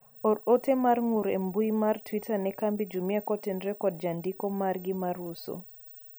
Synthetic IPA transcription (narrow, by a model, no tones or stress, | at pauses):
ɔɾɔtɛmaɾŋuɾɛ̰mbuimaɾtwitanɛkambid͡ʒumiakɔtɛnɾɛkɔd̚d͡ʒandikɔmaɾɡimaɾusɔ̰